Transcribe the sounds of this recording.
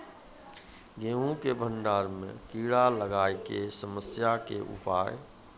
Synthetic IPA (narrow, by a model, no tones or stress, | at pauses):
ɡẽːũkebʱə̃ɳɖaːɾmḛ̃kiːɽaləɡaːjkesəməsjakḛʔṵpaːj